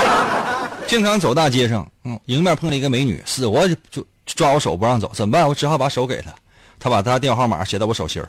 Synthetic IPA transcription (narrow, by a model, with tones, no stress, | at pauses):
t͡ɕi˥˩ŋtʰɑ˧˥ŋt͡so˨˩ʊt̪a˥˩t͡ɕjɛ˥ʂɤ̰˧˥ŋ̩˥˩i˧˥ŋmja˥˧˥pʰɤ˥˧ŋlə˩i˧˥ɡə˧me˧˥ɪny̰˨˩˦sɹ̩˨˩wɔ˧˥t͡ɕo˥˧ʊ | ʈ͡ʂwa˥wɔ˧˥ʂo˨˩ʊpu˧˥ɻɑ˥˩ŋt͡so˨˩˦ʊt͡sə˨˩mpa˥˩nwɔ˧˥ʈ͡ʂɻ̩˧˥xɑ˥˩ʊpa˧˩˥ʂo˧˥ʊke˨˩ɪt̪ʰə̥˦ | t̪ʰa˥pa˨˩t̪ʰa˥˧t̪̬jɛ˥˧nxwɑ˥˩ma̰˨˥ɕjɛ˨˧˩ɑ˥˩ʊwɔ˧˥ʂo˨˩ʊɕʰjḭ˧˥